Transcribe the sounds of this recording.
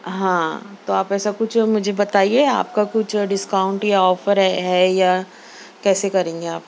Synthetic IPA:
ɦãːt̪oaːpɛːsakʊt͡ʃʰmʊd͡ʒʱebɐt̪aːiea̰ːpkakʊt͡ʃʰɖɪskaʊ̃ɳʈjaɔːfəɾɦɛɦɛja | kɛːsekɐɾẽːŋɡeaːp̚

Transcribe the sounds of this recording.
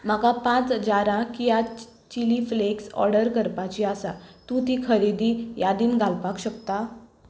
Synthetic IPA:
m̤akapãt͡sd͡ʑaɾãkija | t͡ɕilifleksɔ̰ɾɽəɾkəɾpat͡ɕiasa̰t̪ũt̪ikʰəɾid̪iːjad̪iːnɡʱalpakɕəkt̪a

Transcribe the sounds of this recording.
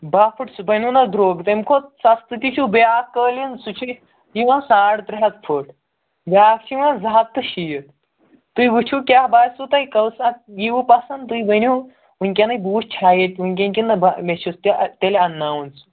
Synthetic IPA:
baːpʰuʈsubɐnʲunɐd̪ɾoːɡt̪ɐmkʰosɐst̪ɨt̪ʲit͡ʃʰubjaːkːəːlinsut͡ʃʰu | jiʋãːsãːɽt̪ɾiɦɐt̪̚pʰəʈ | bʲaːkt͡ʃʰiʋãːzaːt̪ːɨʃijət̪ | t̪ujʋut͡ʃʰukʲaːbaːjsut̪ɐjkɐwsajiʋupasɐnt̪uibɐnʲu | unʲkʲanɐjbuːʃt͡ʃʰaːjet̪ʲunʲkʲenʲkʲinɐbmet͡ʃʰust̪it̪elɐnːaːunsu̥

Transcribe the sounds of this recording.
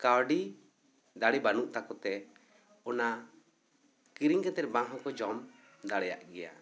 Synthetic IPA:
kawɖi | d̪aɽibanuʔt̪akɔt̪ɛ | ɔna | kiɾiŋkɛt̪ɛɾ̚bãɦɔ̃kɔd͡ʒɔm | d̪aɽɛja̰ʔɡɛja̰

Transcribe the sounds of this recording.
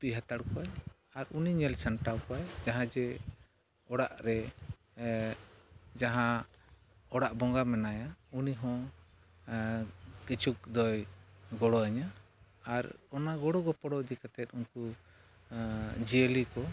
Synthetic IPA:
piɦat̪aɽkɔaj | aɾuniɲɛlsaɳʈawkɔajd͡ʒaɦãd͡ʒɛ | ɔɽaʔɾɛ | d͡ʒaɦã | ɔɽaʔbɔŋɡamɛnajauniɦɔ̃ | kit͡ʃuk̚d̪ɔjɡɔɽɔaɲaː | ɾɔnaɡɔɽɔɡɔpɔɽɔd͡ʒɛkat̪ɛt̪̚ˀuɲku | d͡ʒiəlikɔ

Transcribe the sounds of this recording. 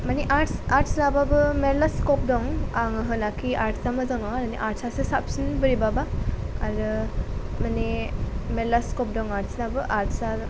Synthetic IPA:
maneʔaʈsaɾʈsnababɯmeɾlaskɔp̚dɔŋaŋɯɦɯnakiʔaɾʈsamɯzaŋaɾaneʔaɾʈsasɯsap̚sinbɯɾibabaaɾɯmanemelaskɔp̚dɔŋaɾʈsnabɯʔaɾtʰsa

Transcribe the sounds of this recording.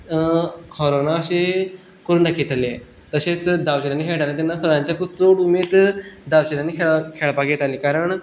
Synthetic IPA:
hɔɾonaəɕe | kəɾuːɳd̪akʰit̪ale | t̪əɕet͡sd̪aʋɕiɾanːiːkʰeɭʈ̪alẽt̪anːasəɭãɲt͡ɕjakut͡soɽumed̪d̪aʋwɕiɾanːiːkʰeɭkʰeɭpaɡet̪alikaɾəɳ

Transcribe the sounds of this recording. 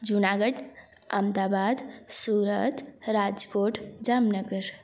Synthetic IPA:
d͡ʒunaːɡəɖ | ə̰md̪aːbaːd̪suːɾət̪ɾad͡ʒkoːʈʰd͡ʒaːmnəɡəɾ

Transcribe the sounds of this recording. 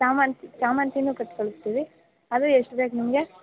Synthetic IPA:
saːmaːnt̪isaːmaːnt̪inːuːkɐʈːkoɭust̪ːiːʋi | ad̪ɾeeʂʈbeːknimɐɡe̞

